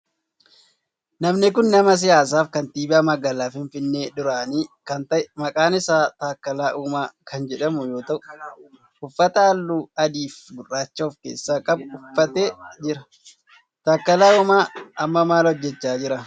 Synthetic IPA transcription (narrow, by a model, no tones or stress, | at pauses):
nɐmnɪkʊnːɐmɐs̬ɪjaːs̬aːfkɐnt̪iːbaːmɐɡaːlaːfɪnfɪnːeːᶑʊɾaːniːkɐnt̪ɐʔɪmɐkʼaːnɪsaːt̪aːkːɐlaːʔuːmaːkɐnd͡ʒɛᶑɐmʊjo̞ːt̪ɐʔʊ | ʊfːɐt̪ɐɐlːuːɐd̪iːfɡʊrːaːt͡ʃːoːfkeːsːaːkʼɐbʊfːɐt̪eːd͡ʒɪɾɐ | t̪aːkːɐlaːuːmaːɐmːɐmaːlɔd͡ʒːɛt͡ʃːaːd͡ʒɪɾɐ